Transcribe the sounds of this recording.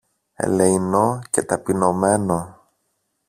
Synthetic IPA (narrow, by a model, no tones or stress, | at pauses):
ḛleino̞ce̞t̪ɐpino̞me̞no̞